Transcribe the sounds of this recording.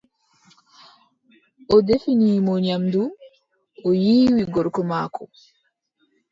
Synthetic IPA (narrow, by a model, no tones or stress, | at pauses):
ʔɔdefiniːmɔɲamdu | ʔɔjiːwiɡɔɾkɔmaːkɔ